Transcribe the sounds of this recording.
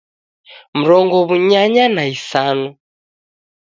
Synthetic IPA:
m̩ɾɔŋɡɔβuɲaɲanaisanu

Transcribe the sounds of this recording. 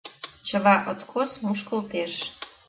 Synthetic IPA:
t͡ɕə̆lɑʔot̪kʰosmuʃkə̆lt̪eʃ

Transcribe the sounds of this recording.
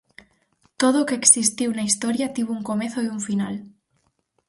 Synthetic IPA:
t̪oð̞okeːksist̪iwnaist̪oɾjat̪iβouŋkomeθoiuɱfinal

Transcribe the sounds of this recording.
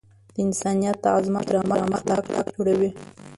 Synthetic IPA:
d̪̥əɪnsɑnijat̪ːaɑzmat̪ɾɑməɾɑməxt̪ɑkʈɑkd͡ʒoɽawi

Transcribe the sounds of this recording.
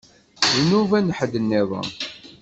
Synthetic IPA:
inuvænəħəd̪ənːɪðˤə̰

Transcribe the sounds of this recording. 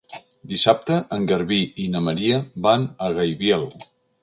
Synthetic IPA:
d̪isap̚t̪əʔəŋɡəɾβiinəməɾiəbanəɣəjβjalɣu

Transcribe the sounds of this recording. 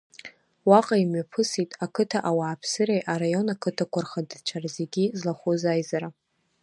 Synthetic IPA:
waqʼaimɥapʰɨsitʼakʰɨtʰaʔawaːpʰsɨɾejʔaɾajo̞nakʰɨtʰakʷʰarχadt͡ʃʰarazeɡʲizlaχuzajzaɾa

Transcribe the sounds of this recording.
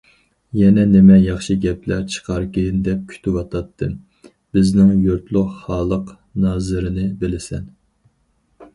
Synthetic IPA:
jɛnɛnɪmɛjɑχʃɨɡʲɛpʰlæɾt͡ʃʰə̥qʰɑɾkʲɪnd̪ɛp̚kʲʰy̥t̪ʰɪwɑt̪ʰɑt̪ʰːɨ | b̥ɪznɪŋjoɾt̪lˠʊχχɑːlˠəq | nɑːzɨɾɨnɨbɪlɪsɛn

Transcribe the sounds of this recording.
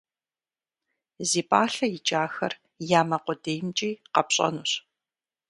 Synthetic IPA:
ziːpʼaːɬɐjɪt͡ʃʼaːxɐr | jaːmɐqʷʊdejmt͡ʃʼiːqɐpɕʼɐ̰nuɕ

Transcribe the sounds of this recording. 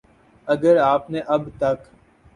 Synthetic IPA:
ɐɡəɾaːpneʔɐbt̪ɐk

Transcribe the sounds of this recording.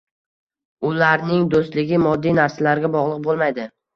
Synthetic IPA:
ʊlaɾnɪŋd̪ost̪lɪɡʲɪmɒd̪ːijnaɾsalaɾɡʲabɒʁlˠɨq̚bolˠmajd̪ɪ

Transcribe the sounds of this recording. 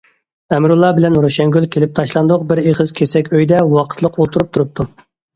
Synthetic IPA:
æmɾulˠːɑbɪlɛnɾoʃɛŋɡʲylkʲʰelɪp̚t̪ʰɑʃlˠɑnd̪ʊq̚bɪɾeχəz̥kʲʰesɛkʲøjd̪ɛwɑqʰə̥t̪ʰlˠəqolˠt̪ʰuɾup̚t̪ʰuɾup̚t̪ʰu

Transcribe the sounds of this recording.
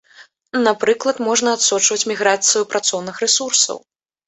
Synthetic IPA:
napɾɨklˠɐt̪mɔʐnɐat̪sɔt͡ʂvɐt͡sʲmʲiɣɾat̪sɨjupɾat̪sɔwnɨxrɛsursɐ̰w

